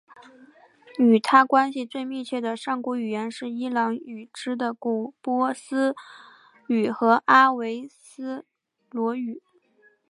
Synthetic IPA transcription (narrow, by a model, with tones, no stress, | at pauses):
y˨˩t̪ʰa˥kwa˥nɕi˨t͡swe˥˧ɪmi˥˧t͡ɕʰɥɛ˥˩d̪ə˩ʂɑ˥˩ŋku˧˥y˨˩jɛ˧˥nʂɻ̩˥˩i˥lɑ˧˥ŋy˨˩ʈ͡ʂɻ̩˥d̪ə˨ku˨˩pwɔ˥sɹ̩˥ | y˨˩xɤ˧˥ʔa˥we˧˥ɪsɹ̩˥ | lwɔ˧˥y˨˩˦